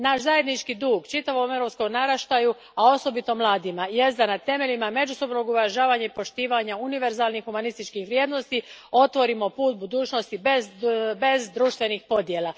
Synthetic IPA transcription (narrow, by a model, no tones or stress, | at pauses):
naʃzaje̞d̪nit͡ʃkid̪uːɡt͡ʃit̪aʋo̞mevɾo̞psko̞mnaɾaʃt̪aju | ao̞so̞bit̪o̞mlˠaːd̪imaje̞st̪d̪anat̪e̞me̞ʎimame̞d͡ʒuso̞bno̞ɡuʋaʒaːʋaɲaipo̞ʃt̪iːʋaɲauniʋe̞ɾzaːlˠnixːumanist̪it͡ʃkixʋɾjeːd̪no̞st̪io̞t̪ʋo̞ɾimo̞puːt̪̚bud̪uːt͡ʃno̞st̪ibezbe̞zd̪ɾuʃt̪ʋe̞nixpo̞d̪je̞ːla